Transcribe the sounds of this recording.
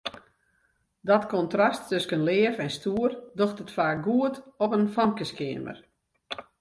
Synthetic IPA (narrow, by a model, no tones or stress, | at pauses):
dɔtkɔntrɔstʰːøskənlɪəfɛnstuərdoxtətfaːk̚ɡuətɔpənfɔmkəskɪəmə̰r